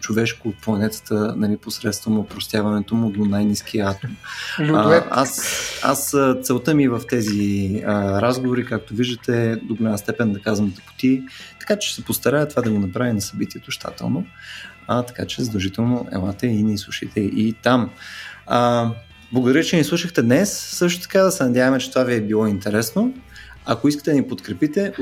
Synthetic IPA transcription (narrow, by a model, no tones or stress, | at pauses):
t͡ʃovɛʃkoːt̪̚plˠɐnɛt̪ə̥t̪ənɐliposɾɛt̪st̪vɐnɐopɾost̪ʲjavɐnɛt̪omʊd̪onajniskʰiəat̪om | a̰sa̰st̪sɛlˠt̪əmivəft̪ɛziəɾazɡovoɾikak̚t̪oviʒd̪ət̪ɛd̪oɡlʲanəst̪ɛpɛnd̪ɐkazvɐmt̪ɛ̥po̥t̪it̪ɐ̥kat͡ʃɛ̥sɛpost̪ɐɾʲavət̪ovad̪ɐɡonɐpɾavinɐsɐbit̪iɛt̪oʃt̪ʰa̰t̪ɛ̰lˠno | t̪ɐ̥kat͡ʃɛzəd̪ɐʒit̪ɛlˠnoʔɛ̰lˠat̪əinislˠuʃit̪ɛʔit̪am | blˠɐɡʊd̪ɐɾjʲət͡ʃɛnislˠuʃəxt̪ɛd̪nɛsːɤʃt̪o̥t̪ɐ̥kad̪ɐsɛnɐd̪ʲjavɐmɛt͡ʃɛ̥t̪ovaviɛbilˠɔint̪ɛɾɛsno | ɐkoiskə̥t̪ɛd̪nipot̪kɾɛpit̪ɛ